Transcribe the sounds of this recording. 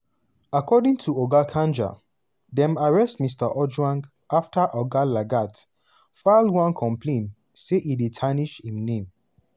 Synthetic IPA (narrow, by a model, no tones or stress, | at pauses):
akʰɔdĩŋtʰuɔɡakʰãnd͡ʒa̰ | dɛ̃maɹɛstmistəʔɔd͡ʒwãŋɡ | aftʰəʔɔɡalaɡat | falwãnkʰɔ̃mpʰlẽn | seʔiditʰaniʃhĩmnẽm